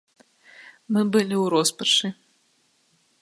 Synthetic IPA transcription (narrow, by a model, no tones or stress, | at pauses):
mɨbɨlʲiwɾɔspɐʂɨ